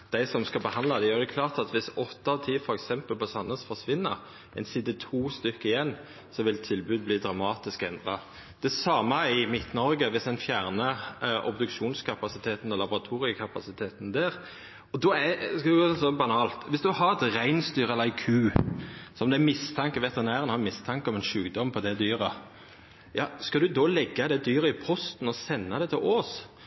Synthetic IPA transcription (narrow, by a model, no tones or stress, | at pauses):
d̪̥æɪsɔmskɑbəhɑnd̪lɑd̪ɛjøːʁd̪ɛkʰlɑːʁt̪ɑt̪ʋɪsɔt̪ːɑʋt̪ʰiːfɔɾɛksɛmpəlpɔsɑnːəsfɔʁsʋɪnːə̰ɾ | ʔæɛɪnsɪd̪ɛt̪ʰuːst̪ʏkːəɪjɛnː | sɔʋɪlt̪ʰɪlbʉːd̪̚bliːd̪ɾɑmɑːt̪ɪskɛ̰nd̪ʁɑ | d̪̥ɛsɑːməɪmɪt̪nɔɾɡəʋɪsd̪ɛnfjæːʁnəʔɔ̰bd̪ʉkʃuːnskʰɑpɑsɪt̪ʰeːt̪n̩ɔlɑbʊʁɑt̪ʰuːɾɪəkʰɑpɑsɪt̪ʰeːt̪n̩d̪ɛːɾ | ɔd̪ɔɛskɑd̪ɡoɔsɔbɑnɑːlt̪ʋɪsd̪ʉhɑɾɛt̪ɾæɪnst̪yːɾəɛləækʰʉːsɔmd̪ɛæmɪst̪ʰɑŋkəʋɛt̪əʁnæːɾənhɑɾmɪst̪ʰɑŋkəɔmɛnʃʉːɡd̪ɔmːpʰɔd̪ɛd̪yːɾə | jɑːskɑd̪ʉd̪ɔːlɛɡːɑd̪ɛd̪yːɾəɪpʰɔst̪n̩ɔsɛnːɑd̪ɛt̪ʰɪloːs